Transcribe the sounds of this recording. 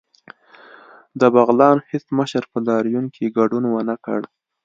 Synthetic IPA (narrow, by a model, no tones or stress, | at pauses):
d̪əbaɣlɑnhɪsməʃəɾpəlɑɾjunkʰeɡaɖunwənakə̰ɽ